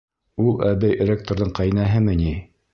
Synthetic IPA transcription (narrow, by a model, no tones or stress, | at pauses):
ulˠæβæjrʲek̚t̪oɾðɤɴqɑjnæɦɘmɘni